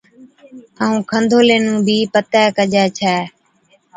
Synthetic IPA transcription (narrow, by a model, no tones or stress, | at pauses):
aːũːkʰənd̪ʱoːleːnũːbʱiːpət̪ɛːkəd͡ʒɛːt͡ʃʰɛː